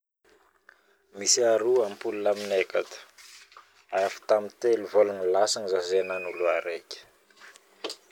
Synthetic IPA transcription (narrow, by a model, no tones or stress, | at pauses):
misiaɾuampulunaminekat̪ə̥ | afi̥t̪amit̪eluvolanilasaŋizazenanuluaɾekʲə̥